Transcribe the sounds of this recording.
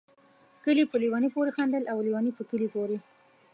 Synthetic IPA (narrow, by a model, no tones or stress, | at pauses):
kəlipəliwɑnipoɾexand̪əlʔawliwɑnipəkəlipoɾe